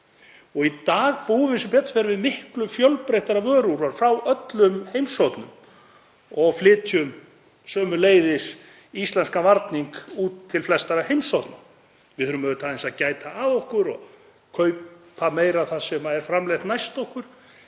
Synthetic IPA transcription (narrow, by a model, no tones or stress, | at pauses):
ɔɣit̪aːɣpuːvɪnsʏmpɛt̪ːfɛɾvɪðmɪhklʏfjœwlpɾejht̪aɾavœːɾuɾvaɾ̥fɾawʔœt̪lʏmhejmsɔwt̪nʏm | ɔɣflɪːt̪ʰjʏm | sœːmʏleːjðɪs | ist̪lɛnskavaɾt̪niŋkuːt̪ʰːɪlflɛst̪aɾahejmsɔwt̪na | vɪðʏɾʏmɛðʏt̪ʰalinsaðcaːjt̪aaðɔhkʏɾɔɣ | kʰœɥʰameːjɾaθasɛmaðɛɾ̥fɾamlɛht̪najst̪ɔhkʏɾ̥